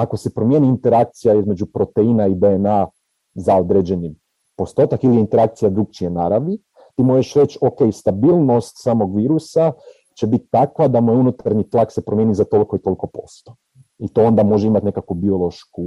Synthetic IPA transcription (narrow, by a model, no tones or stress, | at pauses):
ako̞se̞pɾo̞mje̞ːniːnt̪e̞ɾak̚t̪sijaizme̞d͡ʒupɾo̞t̪einaid̪eːna | zao̞d̪ɾed͡ʑe̞ni | po̞st̪o̞ːt̪akilijeint̪eɾak̚t̪sijad̪ɾuk̚t͡ʃienaɾaʋi | t̪iːmo̞ʒeʃɾe̞t͡ɕo̞ke̞jst̪abiːlˠno̞st̪saːmo̞ɡʋiːɾusa | t͡ʃe̞bit̪t̪ːakʋad̪amojeunut̪aɾɲit̪lˠakse̞pɾomje̞nizat̪o̞liko̞it̪o̞liko̞po̞st̪o | it̪o̞o̞nd̪amo̞ʒeimat̪ne̞kakʋubio̞lo̞ʃku